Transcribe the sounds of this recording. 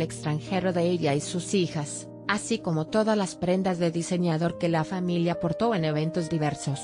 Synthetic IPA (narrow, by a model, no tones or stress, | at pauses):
ekst̪ɾanxe̞ɾo̞ðeeʎaisusixas | asiko̞mo̞t̪o̞ðazlaspɾe̞nd̪azðe̞ðise̞ɲaðo̞ɾke̞lafamiljapo̞ɾt̪o̞e̞ne̞βe̞nt̪o̞zðiβe̞ɾso̞s